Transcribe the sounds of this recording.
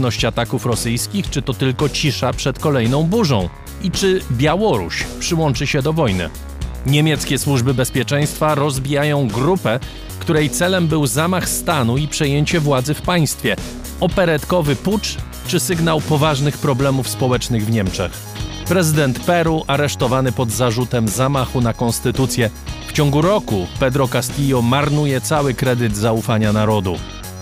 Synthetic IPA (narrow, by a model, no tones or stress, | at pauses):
nɔɕt͡ɕat̪akufɾɔsɘjskʲixt͡ʂɘt̪ɔt̪ɘlkɔt͡ɕiʂapʂɛt̪kɔlɛjnɔ̃w̃buʐɔ̰̃w̃ | it͡ʂɘbʲjawɔɾṵɕpʂɘwɔnt͡ʂɘɕɛd̪ɔvɔjnɘ̰ | ɲɛmʲjɛt̪skʲɛswuʐbɘbɛspʲjɛt͡ʂɛj̃st̪faɾɔzbʲijajɔ̃w̃ɡɾupɛ | kt̪uɾɛjt̪sɛlɛmbɘwzamaxst̪anuipʂɛjeɲt͡ɕɛvwad̪zɘfpaj̃st̪fʲjɛ | ɔpɛɾɛt̪kɔvɘput͡ʂ | t͡ʂɘsɘɡnawpɔvaʐnɘxpɾɔblɛmufspɔwɛt͡ʂnɘɣvɲɛmt͡ʂɛ̰x | pɾɛzɘd̪ɛnt̪pɛɾuʔaɾɛʂt̪ɔvanɘpɔd̪zaʐut̪ɛmzamaxunakɔnst̪ɘt̪ut̪sʲjɛft͡ɕɔ̃ŋɡuɾɔkupɛd̪ɾɔkast̪ʲijɔmaɾnujɛt̪sawɘkɾɛd̪ɘd̪zaufaɲanaɾɔd̪u